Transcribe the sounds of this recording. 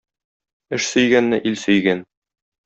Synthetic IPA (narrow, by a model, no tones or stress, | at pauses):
ɘʃsɵ̆jɡænːɘʔilsɵ̆jɡæn